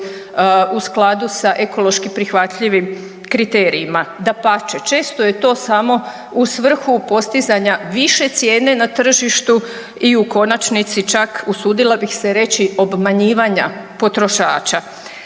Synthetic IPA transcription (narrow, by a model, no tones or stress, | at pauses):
usklˠad̪usaʔeko̞lo̞ʃkipɾixʋat̪ʎiʋim | kɾit̪e̞ːɾiːmad̪apat͡ʃe̞t͡ʃe̞ːst̪o̞je̞t̪o̞ːsamo̞ | usʋr̩xupo̞st̪izaɲaʋiʃe̞t̪sje̞ːnenat̪r̩ʒiʃt̪u | iuko̞nat͡ʃnit̪sit͡ʃakusuːd̪ilˠabixse̞ɾe̞t͡ɕio̞bmaɲiːʋaɲapo̞t̪ɾo̞ʃaːt͡ʃa